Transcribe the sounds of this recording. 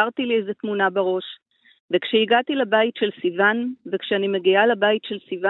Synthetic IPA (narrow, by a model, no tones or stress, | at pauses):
aʁtiliejzetmunabeʁo̞ʃ | vekʃeiɡatilabaitʃelsivanvekʃeanimeɡialebaitʃelsiva